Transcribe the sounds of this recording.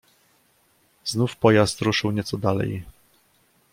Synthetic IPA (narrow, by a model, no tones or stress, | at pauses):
znufpɔjast̪ɾuʂɘwɲɛt̪sɔd̪alɛ̰j